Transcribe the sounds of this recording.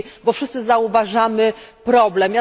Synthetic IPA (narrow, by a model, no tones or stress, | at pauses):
bɔfʂɘst̪sɘzauvaʐamɘpɾɔblɛmja